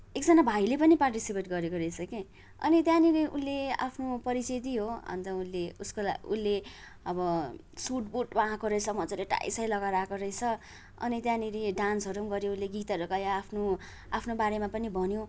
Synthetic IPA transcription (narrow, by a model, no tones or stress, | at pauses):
ek̚d͡zʌnabʱajlepʌniparʈisipeʈɡʌɾekoɾʌjt͡sʰʌke | ʌ̰nit̪jãniɾiʔulːea̰pʰnopʌɾit͡sed̪iɦoʌ̰nt̪ʌunleuskolaṵlːe | ʌbʌsuʈbuʈbaãkoɾʌjt͡sʰʌmʌt͡sʌleʈa̰jsʌjlʌɡaɾakoɾʌjt͡sʰʌ | ʌ̰nit̪jãniɾiɖansʌɾumɡʌɾjounleɡit̪ʌɾokajaːpʰno | apʰnobaɾemapʌnibʱʌnjo